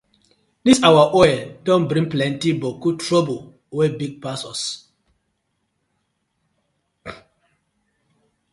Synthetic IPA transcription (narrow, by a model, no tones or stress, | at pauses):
disawaʔɔɛldɔ̃nbɾĩŋplɛ̃ntibɔkutɹɔbo | wɛbiɡ̚pasɔs